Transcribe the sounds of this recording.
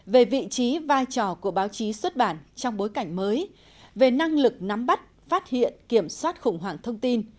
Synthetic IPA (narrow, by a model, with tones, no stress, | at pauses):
ve˨˩vḭ˧˨t͡ɕi˨˦vaː˧jt͡ɕɔ˧˩ku˧˩əɓaː˨˦wt͡ɕi˨˦swə˦˥t̚ɓaː˧˩nt͡ɕɔ˧wŋ͡mɓo˨˦jka˧˩jŋ̟məː˨˦j | ve˨˩na˧ŋlɨ˨˩k̚na˨˦mɓa˦˥t̚faː˦˥t̚hḭ˧˨ənki˧˩əmswaː˦˥t̚xʊ˨˧˩ŋ͡mɦwaː˧˨˩ŋt̪ʰə˧wŋ͡mt̪i˧n